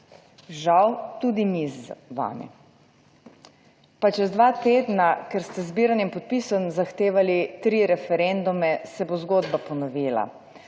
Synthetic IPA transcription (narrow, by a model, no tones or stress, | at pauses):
ʒawt̪ud̪imizʋa̰ːnɛ̰ | pat͡ʃɛzd̪ʋaːt̪eːd̪nakɛɾst̪ɛzbiːɾanjɛmpɔt̪̚pisɔmzaxt̪eːʋalit̪ɾiɾɛfɛɾend̪umɛsɛbozɡoːd̪bapɔnɔʋiːla̰